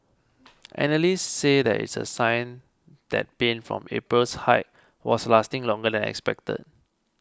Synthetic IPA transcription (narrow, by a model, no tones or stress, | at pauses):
ʔɛ̰nəlisːedɛ̰tḭtsə̰sãɪn | d̥ɛ̰t̚b̥ẽnfɹɔ̰̃mḛpɹəlshaɪt̚ | wɔslastɪ̃ŋlɔ̃ŋɡədɛ̃nɛ̰kspɛk̚tə̰t̚